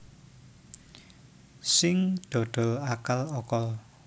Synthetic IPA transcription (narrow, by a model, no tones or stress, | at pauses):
sɪŋd̪̥o̤d̪̥ɔ̤akalɔkɔl